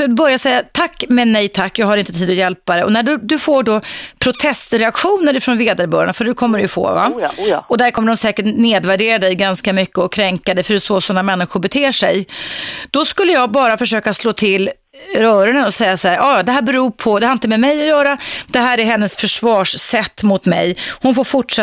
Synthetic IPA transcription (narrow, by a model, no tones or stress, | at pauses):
sɔbœɾjasɛjːat̪ʰakːmɛnɛjt̪ʰakːjɑːɡhaɾɪnt̪ət̪ʰiːd̪ɔjɛlpad̪ɛʔɔ̰næɖɵd̪ɵfoːɖɔpʰɾʊt̪ʰɛst̪ɾɛakɧuːnəɾɪfɾɔnveːd̪aɾbœːɾa̰ɳafœɖɵkʰɔmːəɖɛjɵfo̰ːva̰ɔd̪æɾkʰɔmːəɖɔmsɛːkəʈneːd̪væɖeːɾad̪ɛjɡanskamʏkːəɔkʰːɾɛŋkad̪ɛfœɾsoːsɔnːamɛnːɪɧʊɾbɛt̪ʰeːʂɛjd̪̥ɔskɵlːəjɑːɡbɑːɾafœʂøːkasloːt̪ʰɪlː | ɾœːɾəɳənɔsɛjːasaæːɾɑːjd̪ɛɦæːɾbɛɾuːpʰɔd̪ɛhaɾɪnt̪əmɛmɛjɔjœːɾad̪̥ɛɦæːɾæɾɦɛnːəsfœʂvɑːʂsɛt̪ːmʊt̪mɛ̰jhʊnfoːɾfʊʈʂɛ